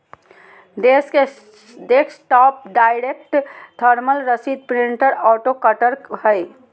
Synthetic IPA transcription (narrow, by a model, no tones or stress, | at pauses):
d̪eske | d̪ekʰsʈɔp̚ɖajɾek̚ʈt̪ʰəɾməlɾəsid̪̚pɾiɳʈəɾɔʈokəʈəɾkhəj